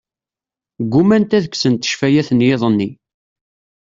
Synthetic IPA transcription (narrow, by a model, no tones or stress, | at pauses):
ɡʷːumænt̪æðəkːsənt̪ə̥ʃfæjæθənjeðˤənːi